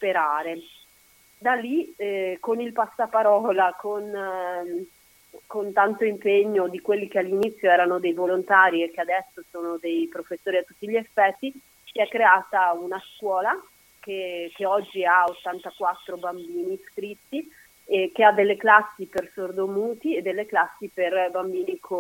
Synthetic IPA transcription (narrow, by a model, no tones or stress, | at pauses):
speɾaːɾe | d̪alːikonilpasːapaɾɔːlakon | kont̪ant̪oimpeɲːod̪ikwelːikealːinit̪sːjoɛːɾanod̪ejvolont̪aːɾiekːead̪ɛsːosoːnod̪ejpɾofesːoːɾiat̪ːut̪ːiʎːiefːɛt̪ːi | siɛkːɾeaːt̪aunaskwɔːla | k̟ek̟eɔd͡ʒːiaot̪ːant̪akwat̪ːɾobambiːnisk̪ɾit̪ːi | ek̟ead̪ːelːeklasːipersord̪omuːt̪ied̪ːelːeklasːiperbambiːnikʰo